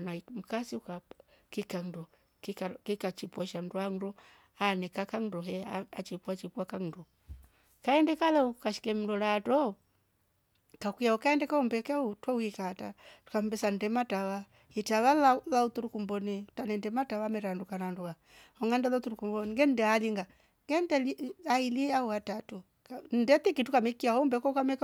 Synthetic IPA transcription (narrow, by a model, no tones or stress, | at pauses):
naim̩kasiuka | kikandɔ | kikakikat͡ʃipwɔʃam̩duan̩ɾɔ | anɛkakaŋ̩dɔɦɛaat͡ʃipuat͡ʃipuakan̩dɔ | kaɛndɛkalaukaʃi̥kɛm̩ɾɔlatɔ | kakijaukaɛndɛkaumbɛkɛutɔwikatatu̥kambɛsan̩dɛmatawa | itaβalalautuɾukumbɔnitanɛndɛmatawamɛɾandukananduka | hɔŋɡandɛlautuɾukumbɔniŋɡɛn̩dɛaliŋɡa | ŋɡɛndɛliailiauatatu | kn̩dɛtikitukamɛkiaɔumbɛkɔukamɛk